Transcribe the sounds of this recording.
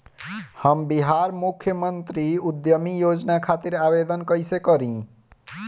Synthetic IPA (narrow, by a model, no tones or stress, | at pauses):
həmbiɦaɾmukʰjəmənt̪ɾiud̪jəmijod͡ʒnakʰat̪iɾabed̪ənkəjsekəɾĩ